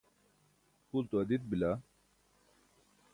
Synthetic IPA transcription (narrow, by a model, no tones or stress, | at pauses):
kult̪uɐd̪it̪̚bila